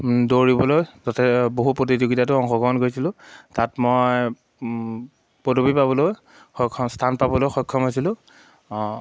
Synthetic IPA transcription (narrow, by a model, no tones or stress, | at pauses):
doɹibɔlojzɔtʰɛboɦupɹot̬izoɡitat̬ʊɔŋxɔɡɔɔnɡojsilʊ̃tatmoj | podobipabɔloj | xɔkʰːɔstʰanpabɔlojxɔjkʰːɔmɦojsilʊ̃